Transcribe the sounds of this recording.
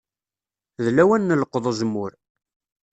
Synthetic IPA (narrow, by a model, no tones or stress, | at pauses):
ðlæwænːələqːðˤəzəmːʊɾ